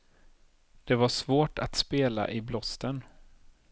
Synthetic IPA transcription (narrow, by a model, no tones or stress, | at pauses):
d̪̥ɛvaʂvoːʈat̪speːla̰ʔɪblɔst̪ən